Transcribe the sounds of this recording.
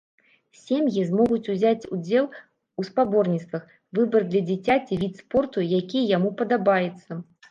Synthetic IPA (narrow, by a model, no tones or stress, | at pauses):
sʲemjizmɔɣut͡sʲuzʲat͡sʲud͡zʲɛlˠ | uspabɔrnʲit̪st̪vɐx | vɨbɐrd̪lʲɐd͡zʲat͡sʲat͡sʲivʲit̪spɔrt̪ujakʲijɐjamupɐd̪abajɛt̪sːɐ